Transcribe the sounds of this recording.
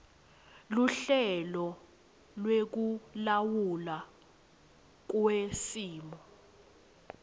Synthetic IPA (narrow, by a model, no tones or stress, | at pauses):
luɬɛlɔ | lwek̬ulawula | k̬wesiːmɔ